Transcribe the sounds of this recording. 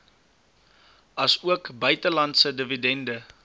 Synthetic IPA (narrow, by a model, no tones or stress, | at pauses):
ɐsuəkbœɥtəlɐntsədəvidɛndə